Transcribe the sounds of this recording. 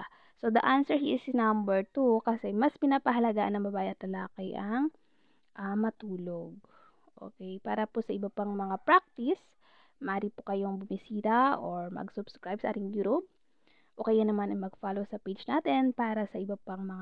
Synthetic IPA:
sod̪ɐʔansɛɹhiʔɪsnɐmbɛɹt̪ukɐsɛmɐspɪnapɐɦɐlɐɡaːʔɐnɐŋbɐbaːʔjʔɐt̪lɐlaːkɛjʔɐŋ | ʔɐmɐt̪uːloɡ̚ | ʔo̰kɛjpaːɾɐposɐʔɪbɐpaŋmɐŋapɾak̚t̪ɪs | mɐʔaːɾipokɐjo̞ŋbʊmɪsiːɾɐʔoɹmɐ̰ɡsʊbskɹajb̚sɐʔaːt̪ɪŋjuɾub̚ | ʔoːkɐjaɐnɐmanɐjmɐɡ̚faːlosɐpejd͡ʒnaːt̪ɛnpaːɾɐsɐʔɪbɐpaŋmɐŋa

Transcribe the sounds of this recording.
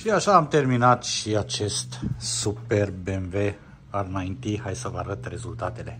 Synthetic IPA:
ʃiaʃaːmt̪e̞rminat̪ʃiat͡ʃe̞st̪supe̞rbemve̞ | arɨnaint̪iɦajsəvəaɾət̪re̞zult̪at̪e̞le̞

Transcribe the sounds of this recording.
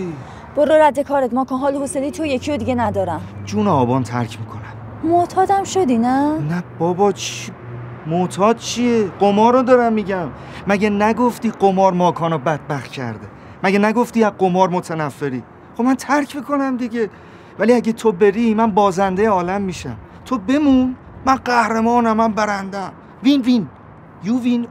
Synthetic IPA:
b̥oɾːoɾæd̪ːekʰɒːɾet̪mɒːkʰɒːnɦɒːlohoseliːt̪ʰojecʰiod̪iɡenæd̪ɒːɾæmd͡ʒuːneɒːbɒːnt̪ʰæ̰ɾcʰmiːkʰo̞næm | mot̪ʰɒːd̪æmʃod̪inænæb̥ɒːbɒt͡ʃʰi | mot̪ʰɒːd̪̥̚t͡ʃʰieɢomɒːɾod̪ɒɾæmːiɟæmː | æɟenæɡo̞ft̪iːɢomɒːɾmɒːkʰɒːnobæd̪̥̚bæχt̪̚cʰæ̰ɾd̪e | mæɟenæɡo̞ft̪iːæzɢomɒːɾmot̪ʰænæfːeɾiː | χobmænt̪ʰæɾcʰbikʰo̞næmd̪iɟe | væliæɟet̪ʰobe̞ɾimænbɒːzænd̪ejeɒːlæmːiːʃæ̰m | t̪ʰobe̞mun | mænɢæhɾemɒːnæmːæmbæɾænd̪æm | vinvin | juːvin

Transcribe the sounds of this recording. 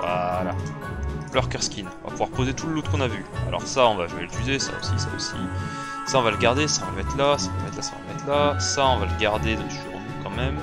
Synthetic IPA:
vala | lœʁkœʁskʲinɔ̃va̰puvwaʁpozet̪uləlot̪kɔ̃navya̰lʔɔ̰ʁsaɔ̃vaʒəveləfyzesa̰o̰sisa̰o̰sḭ | saɔ̃valəɡaʁd̪esaɔ̃valmɛt̪lasaɔ̃va̰mɛt̪lasãva̰lmɛt̪ʰlasaɔ̃valəɡaʁd̪ed̪ɔ̃kʒəʃɥiʁɑ̃d̪ykɑ̃mɛm

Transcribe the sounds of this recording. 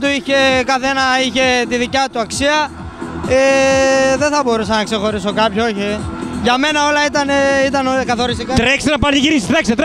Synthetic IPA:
t̪uiçe̞kɐθe̞nɐiçe̞t̪iðicɐt̪uɐksiɐ | eðeθɐbo̞ɾusɐnɐkse̞xo̞ɾiso̞kɐpçooçiʝɐme̞nɐo̞lɐit̪ɐneit̪ɐnokɐθo̞ɾisikɐt̪ɾeksenɐpɐnt̪iʝiɾisi̥d̪ɐkset̪ɾ

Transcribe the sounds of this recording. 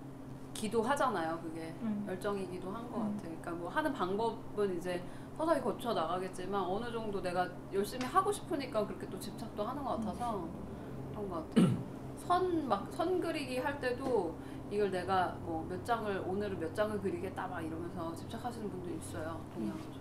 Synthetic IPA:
kidoɦad͡ʑanajokɯɡe̞jʌɭt͡ɕ͈ʌŋiɡidoɦannɡʌk͈atʰe̞joik͈amwʌhanɯnpaŋbʌbɯnid͡ʑe̞ | sʰʌsʰakʰikʌt͡ɕʰʌnaɣaɡe̞t̚t͡ɕ͈imanʌnɯd͡ʑʌŋdone̞ɡa | jʌɭɕ͈imiɦaɡoɕʰi̥pʰɯɲik͈akɯɾʌkʰe̞t͈ot͡ɕip̚t͡ɕʰak̚t͈oɦanɯnɡʌk͈atʰasʰʌ | kkɯɾʌŋɡʌk͈atʰej | sʰʌnmak̚sʰʌnɡɯɾiɡiɦaɭt͈e̞do | iɡʌɭne̞ɡamwʌmjʌt̚t͡ɕ͈aŋɯɭonɯɾmjʌtt͡ɕ͈aŋɯɭkɯɾiɡe̞t̚t͈amaiɾʌmjʌnsʰʌt͡ɕi̥p̚t͡ɕ͈ʰakʰaɕʰinɯnbundɯɾiːs͈ʌjotoŋɲaŋad͡ʑʰo

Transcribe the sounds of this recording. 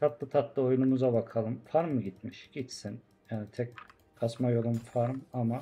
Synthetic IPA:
t̪ʰat̪lˠɯt̪ʰat̪lˠɯo̞junumuzabakʰalˠɯmfaɾmːɯɟit̪miʃɟ̥it̪sin | jaːnit̪ʰɛc̚ | kʰasmajo̞lˠumfaɾmama

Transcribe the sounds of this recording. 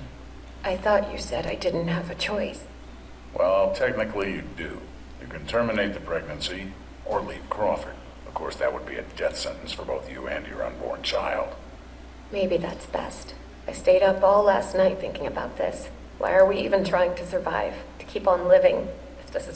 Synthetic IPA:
ʔaɪθɔt͡ʃɨ̰sɛɾaɪdɪdⁿn̩t̚ɦəvɨt͡ʃʰɔɪs | wʔɛlˠtʰɛk̚nɨkliɨdɨ̰ | jɨ̰kɨ̃ntʰɜ˞mɨneɪt̪̚ðɨpʰɹ̥ɛɡ̚nɨ̃nsi | ə˞liv̥kʰɹ̥ɔfəɹ | ʌv̥kʰɔɹsðɨ̰t̚wəd̚bḭɨ̰dɛθsɛ̰̃ntn̩sfə˞boʊθjɨ̰ɨ̰̃njə̰˞ʌ̰̃nbɔ̰ɹnt͡ʃʰaɪlˠd̥ | meɪbiðæ̰tsb̥ɛ̰st | aɪsteɪɾʌpɔlˠlæ̰stⁿnaɪt̪̚θɪ̰̃ŋkɪ̃ŋɨbaʊt̪̚ðɪ̰s | wʔa̰ɪə˞wiḭvɨ̃ntʰɹ̥aɪɪ̃ŋtʰɨsə˞va̰ɪv̥tʰɨ̥kʰipn̩lɪvɪ̰̃ŋ | ɨfðɪsɨz

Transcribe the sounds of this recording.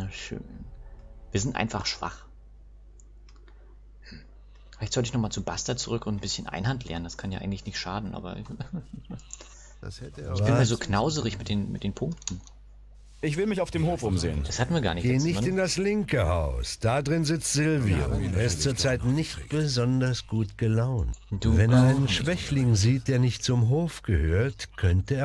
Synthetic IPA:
aʃø̰ːn | viːɐzɪntʔa̰ɪnfaχʃv̥a̰χ | fɪlaɪçtz̥ɔltɪçnɔχmaːlt͡subastɐt͡suʁʏkʊntn̩bɪsçənʔa̰ɪnhantlʔɛ̰ɐnəndaskʰanjaʔaɪŋ̩tlɪçnɪçtʃaːdn̩ʔa̰ːbɐ̰ | ɪç̥ɪnnmaːɐzoːkʰnaʊzəʁɪçmɪt̚d̥eːnmɪ̰t̚d̥eːnpʰʊŋk̚tn̩ | ʔɪçv̥ɪlmɪçaʊfd̥eːmhoːfʔʊmzḛːənd̥ashatn̩viɐɡaːɐnɪçɡ̥eːnɪçtɪndaslɪŋkəhaʊsd̥adʁɪnzɪt͡stz̥ɪlvio̰eːɐɪstt͡suːɐt͡saɪtnɪçt̚b̥əzɔndɐsɡ̥uːtɡ̥əlaʊntd̥uːvɛneːɐʔaɪnənʃv̥ɛçlɪŋziːt̚d̥eːɐnɪçtt͡sʊmɦoːfɡ̥əhøːɐtkʰœntəeːɐ

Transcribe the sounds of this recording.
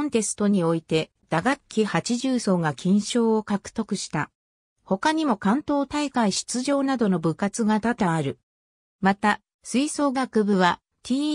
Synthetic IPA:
õnt̪e̞sɨ̥t̪o̞ɲ̟io̞it̪e̞ | d̪̥aɡakʲːihat͡ɕiʑɨːso̞ːŋakʲĩɰ̃ɕo̞ːokakɯ̟̥t̪o̞kɯ̟ɕi̥t̪a | ho̞kaɲ̟imo̞kãnt̪o̞ːt̪aikaiɕi̥t͡sɨʑo̞ːnad̪o̞no̞bɯ̟kat͡sɨɡat̪at̪aːɾɯ̟ | mat̪a | sɨiso̞ːɡakɯ̟bɯ̟βa | t̪ʲʰiː

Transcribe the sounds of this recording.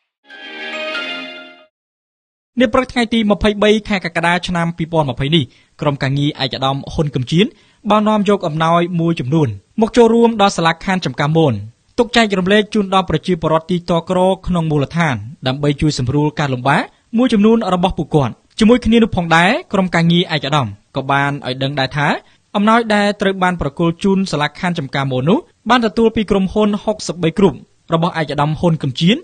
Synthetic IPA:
niəprɨk̚t̪ʰŋajt̪iːməpʰəjɓəjkʰaɛkakaɗaːt͡ɕʰnampiːpŏənməpʰəjnih | kromkaːŋiəʔaɛc̚ə̆ɗɑmhunkɨmt͡ɕiən | ɓaːnɔ̆əmjɔːk̚ʔɑmnaɔjmuəjt͡ɕɑmnuənmɔːk̚t͡ɕoːlruəmɗɑlsalakʰant͡ɕɑmkamoːn | t̪uk̚t͡ɕaɛk̚rumleːk̚t͡ɕuːnɗɑlprɑt͡ɕiəpoəɾŏət̪̚ːiːt̪okrɔːkʰnoŋmuːlət̪ʰaːnɗaəmɓəjt͡ɕuəjsɑmruəlkaːlumɓaːʔ | muəjt͡ɕɑmnuənrɔɓɑhpuəʔkŏət̪̚ | t͡ɕiəmuəjkʰniənʊ̆əpʰɑːŋɗaɛkromkaːŋiəʔaɛk̚ʔaɗɑmkɑːɓaːnʔa̰ɔjɗəŋɗaɛlt̪ʰaː | ʔɑmnaɔj̚ɗaɛlt̪rəwɓaːnprɑkŭəlt͡ɕuːnsalakʰant͡ɕɑmkaːmoːnːʊ̆əh | ɓaːnt̪ɔt̪uəlpiːkromhunhok̚səp̚ɓəjkrup̚ | rɔɓɑhʔaɛk̚ʔaɗɑmhunkumt͡ɕiən

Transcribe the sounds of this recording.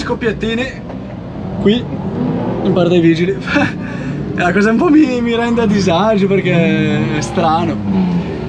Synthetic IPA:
skopːjat̪ːiːne | kwi | impaɾt̪ajviːd͡ʒilif | ɛlakɔːzaumpɔmimiɾɛnd̪ead̪izad͡ʒoperk̟ɛɛst̪ɾaːno

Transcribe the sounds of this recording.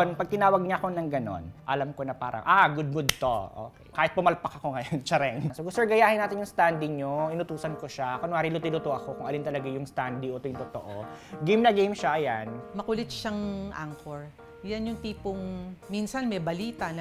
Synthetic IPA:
npɐɡ̚t̪ɪnaːwɐɡ̚ɲaɐko̞nɐŋɡɐno̰nʔɐlamko̞nɐpa̰ːɾɐ̰ŋʔaɡʊd̪̚mʊd̪t̪oʔo̰ːkɛjkaːhɪt̪pʊmɐlpɐkɐko̞ŋɐjont͡ʃɐɾɛŋsoɡʊst̪oɡɐjaːhɪnːaːt̪ɪnjʊŋst̪and̪ɪɲoɪnʊt̪uːsɐnkoʃakonŋaːɾilʊt̪ɪlʊt̪oʔɐkokʊŋʔɐlint̪ɐlɐɡajʊŋst̪and̪iʔot̪ojʊŋt̪ot̪oʔoɡijmnɐɡejmʃaʔɐjanmɐkʊlɪt̪ʃaŋʔa̰ŋkoɹ | janjʊŋt̪iːpʊŋminsɐnmɛbɐliːt̪ɐnɐ

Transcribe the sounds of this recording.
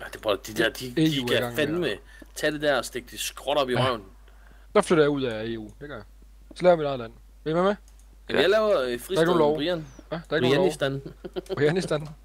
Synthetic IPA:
æd̥eb̥ʁɔ̥d̥id̥æɐ̰d̥ieuæɡ̥ɑ̈ŋ̰fenme | t͡sʰɛd̥e̝d̥æɐɒsd̥eɡ̥d̥isɡ̥ʁɔɾɒ̽b̥iʁaʊnn̩ | d̥ɑ̈fløɾ̥ɐjɑ̈uð̰ˠæe̝ːṵːd̥e̝ɡ̥ɶɐjɑ | sɒ̽lɛːʊɐʋiɾɑ̈ð̩ˠlæn̰ | ʋememe | ejaɪlɛːʊɐfʁiɑɪɡ̥noːnlɒʊʁiɐnʋæd̥ɑɐɪɡoniʊsd̥ænʁiænisd̥æn

